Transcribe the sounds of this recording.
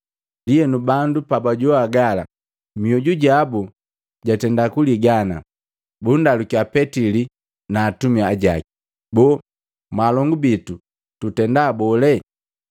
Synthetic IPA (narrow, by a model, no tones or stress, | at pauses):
dijɛnubandupabaɟɔaɡala̰ | miɔɟuɟabu | ɟatɛndakuliɡana̰ | bundalukiapɛtili | naːtumiaaɟa̰ki̥ | bɔ | malɔŋɡubitu | tutɛndaːbɔlɛ